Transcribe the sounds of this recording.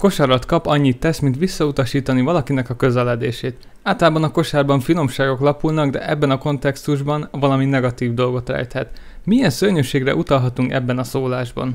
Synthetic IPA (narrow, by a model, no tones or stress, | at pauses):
ko̞ʃaɾɒt̪kɒpɒɲːit̪ːɛsmint̪ʋisːɒut̪ɒʃiːt̪ɒnivɒlɒkinɛkɒkø̞zɛlɛd̪eːʃeːt̪ | aːlt̪ɒlaːbɒnɒko̞ʃaːrbɒɱfino̞mʃaːɡo̞klɒpulnɒɡd̪ɛ̰ʔɛbːɛnɒko̞nt̪ɛkst̪uʒbɒnvɒlɒminɛɡɒt̪iːvd̪o̞lɡo̞t̪rɛ̰jt̪hɛt̪ | mijɛnsørɲøʃeːɡrɛ̰ʔut̪ɒlɦɒt̪uŋkɛ̰bːɛnɒsoːlaːʒbɒ̰n